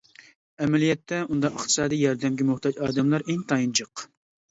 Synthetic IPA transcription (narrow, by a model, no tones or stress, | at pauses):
ɛmɛlijɛt̪ʰːɛund̪ɑəχt̪ɨ̥sɑːd̪ijjɑɾd̪ɛmɡʲɛmʊχt̪ɑd͡ʒɑːd̪ɨmlˠɑɾʔeŋt̪ʰɑjint͡ʃʰɨq